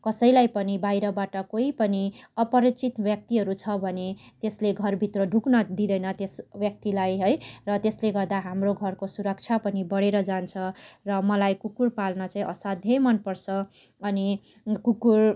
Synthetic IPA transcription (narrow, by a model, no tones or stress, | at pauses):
kʌsʌjlajpʌnibajɾʌbaʈʌkoipʌniʌpʌɾit͡sit̪bjʌk̚t̪iɦʌɾut͡sʰʌbʱʌnet̪esleɡʱʌrbʱit̪rʌɖʱuknʌd̪id̪ʌjnʌt̪esbjʌk̚t̪ilajɦʌjrʌt̪esleɡʌrd̪aɦamroɡʱʌrkosuɾʌk̚t͡sʰapʌnibʌɽeɾʌd͡zant͡sʰʌrʌmʌlajkukurpalnʌt͡saĩʔʌsad̪ʱjʌjmʌnpʌrt͡sʰʌ | ʌni | kukur